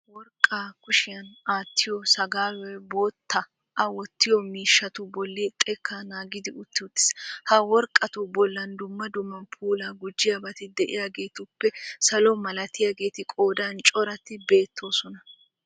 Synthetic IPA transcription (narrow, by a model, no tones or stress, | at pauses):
wɔɾkʼːaːkʊʃɪjɐnaːt̪ʰːɪjɔsɐɡaːwɛbo̞ːt̪ːɐ | ʔɐwɔt̪ːɪjɔmiːʃːɐt̪ʊbɔlːit̪ʼɛkːaːnaːɡɪd̪ɪʔʊt̪ːɪʊt̪ʼːɪ̥shɐwɔɾkʼːɐt̪ʊbɔlːɐnd̪ʊmːɐd̪ʊmːɐnpʰuːlaːɡʊd͡ʒːɪjabɐt̪ɪd̪ɛʔɪ̰jaːɡe̞ːt̪ʊpːɛsɐlɔmɐlɐt̪ɪjaːɡe̞ːt̪ɪkʼoːd̪ant͡ʃʼɔɾɐt̪ːɪbe̞ːt̪ʰːo̞ːsɔnɐ